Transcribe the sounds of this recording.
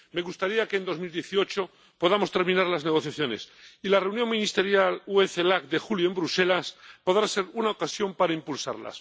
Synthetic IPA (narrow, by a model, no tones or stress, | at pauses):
me̞ɣust̪aɾiake̞ːnd̪o̞zmild̪je̞θio̞t͡ʃo | po̞ðamo̞st̪e̞ɾmĩnaɾlazne̞ɣ̞o̞θjaθjo̞ne̞silare̞wnjo̞ŋmĩnist̪e̞ɾjalueθelakd̪e̞xuljoembɾuse̞laspo̞ðɾase̞ɾunaokasjo̞mpaɾaimpulsa̰ɾla̰s